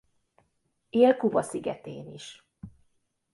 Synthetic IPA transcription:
eːlkuvɒsiɡɛt̪ḛːniʃ

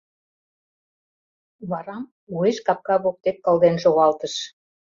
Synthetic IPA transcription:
βɑɾɑm | ueʃkɑp̚kɑβok̚t̪ekːɑlˠd̪enʃoɣɑlt̪ə̆ʃ

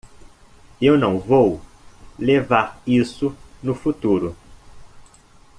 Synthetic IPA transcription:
ewnɐ̃w̃vow | levaɾisʊnʊfut̪uɾʊ

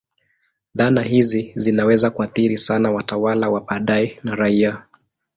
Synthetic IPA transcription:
ðanaɦizizinawɛzakuaθiɾisanawatawalawaɓaɗaɛnaɾaia

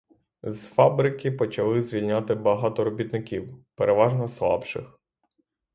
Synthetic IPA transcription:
z̥fɑbɾɪkʲɪpɔt͡ʃɐlˠɪzʲʋʲilʲnʲat̪ɪbɐɦɑt̪ɔɾɔbʲit̪nɪkʲiwpeɾeʋɑʒnɔslˠɑ̰pʃɪ̰x

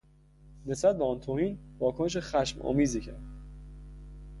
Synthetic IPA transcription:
ne̞sbæt̪̚beɒːnt̪ʰohiːnvɒːkʰone̞ʃ̬exæʃmɒ̰ːmiːziːcʰæɾd̪

